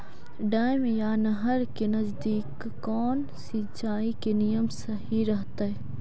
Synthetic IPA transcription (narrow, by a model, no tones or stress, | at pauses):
ɖaːjmjaːnɐɦəɾkenɐzd̪iːkː | ɔːn | sit͡ʃaːikenijəmsɐɦiɾɐɦt̪aɛ